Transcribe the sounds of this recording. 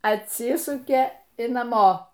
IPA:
ɐtʲˈsʲɪsʊkʲeː ɪ nɐˈmoː

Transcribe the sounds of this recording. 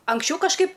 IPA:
ɐŋksʲˈt͡ʃʲɛʊ kɐʃˈkɐɪp

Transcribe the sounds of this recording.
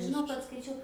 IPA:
ʒʲɪˈnɐʊ kɐt skɐɪˈt͡ʃʲɛʊ

